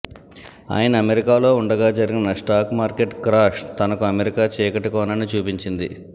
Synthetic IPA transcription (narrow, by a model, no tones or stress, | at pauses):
a̰ːjɐnɐːmeɾikaːlo̞ːuɳɖɐɡaːd͡ʒɐɾiɡinɐʂʈaːkmaːɾkeʈkɾaːʃt̪ɐnɐkuɐmeɾikaːt͡ʃɛːkɐʈukɔːnɐnit͡ʃuːpiɲt͡ʃind̪ḭ